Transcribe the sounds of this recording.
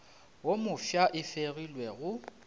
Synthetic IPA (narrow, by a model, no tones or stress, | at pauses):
womʊfjaʔɪfeɣilwɛɣʊ